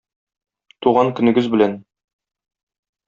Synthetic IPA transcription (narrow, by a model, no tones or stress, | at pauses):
t̪uʁɑŋkɵ̆nɘ̆ɡɘzbɘ̆læn